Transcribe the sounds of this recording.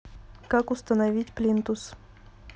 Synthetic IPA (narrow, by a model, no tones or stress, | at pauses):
kakʊst̪ənɐvʲitʲplʲint̪ʊs